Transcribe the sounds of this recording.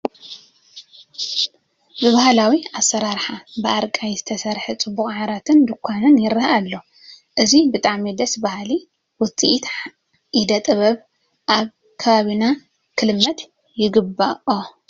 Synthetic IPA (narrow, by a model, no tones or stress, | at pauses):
bɨβahalawiasːɐɾaɾħabɨʔaɾkʼajzɨt̪ʰɐsɐɾħet͡sʼɨbːuxʼʕaɾat̪ʰɨnd̪ɨkʷʰːanɨnjɪɾɨhalːo̞ | ʔɨzibɨt̪ʼaʕmid̪ɐsbahli | wʊt͡sʼiʔt̪ | ʔid̪ɐt̪ʼɨβɐβ | ʔaβ | kʰɐβaβina | kʰɨlmːɐt̪ | jɪɡɨbːaʔo